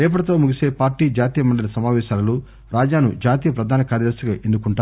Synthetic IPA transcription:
ɛːp̬ɐɽɐt̪oːmuɡiseːpaːɾʈːiːd͡ʒaːt̪iːjɐmɐɳɖɐlɐsɐmaːʋɛːʃaːlɐlu | ɾaːd͡ʒaːnṵd͡ʒaːt̪iːjɐpɾɐd̪ʱaːnɐkaːɾjɐd̪ɐɾsɐɡaʔend̪ukuɳʈaː

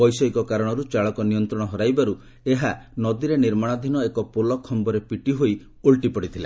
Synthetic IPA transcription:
bɔjsɔikɔkaɾɔɽ̃ɔɾut͡ʃaɭɔkɔniɔnt̪ɾɔɽ̃ɔɦɔɾajbaɾu | eɦanɔd̪iɾeniɾmaɽ̃ad̪ʱinɔekɔpolɔkʰːɔmbɔɾepiʈiɦoj | uɭʈipɔɽit̪ʰila

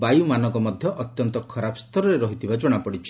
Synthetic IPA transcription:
bajumanɔŋkɔmɔd̪ʱjɔʔɔt̪jɔnt̪ɔkʰɔɾapʰst̪ʰɔɾɔɾeɾɔɦit̪ʰibad͡ʒɔɽ̃apɔɽit͡ʃʰi̥

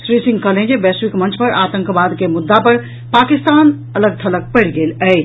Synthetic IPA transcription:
sɾisĩŋɡkəlẽd͡ʒebɛsʋikmə̃nt͡ʃʰpəɾat̪ə̃ŋkbad̪kemud̪ːapəɾ | pakist̪an | ələɡ̚t̪ʰələk̚pəɽɡelə

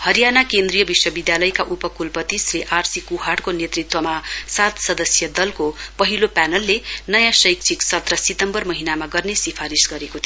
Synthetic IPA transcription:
hʌɾijanakend̪rijʌbiswʌbid̪jalʌjkaʔupʌkulpʌt̪isreʔarsikuɦaɽkonet̪rit̪wʌmasat̪sʌd̪ʌsjʌd̪ʌlkopʌɦilopanʌlːenʌjãsʌjk̚t͡sʰiksʌt̪rʌsit̪ʌmbʌrmʌɦinamaɡʌrnesipʰaɾisɡʌɾekot̪ʰi

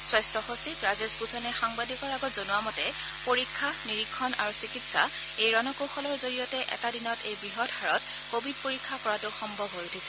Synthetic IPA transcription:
swɔjstɔxosikɹazezbuzɔnɛxaŋbadikɔɹaɡɔtzonʊwamɔtɛ | poɹikʰːaniɹikʰːɔnaɹusikitsa̰ | ejɹɔnɔkoxɔlɔɹzoɹijɔtɛʔɛ̰tadinɔtejbɹiɦɔdɦaɹɔt | kobʱid̚poɹikʰːakɔɹatʊxɔmbʱɔbʱɦojutʰisɛ̥

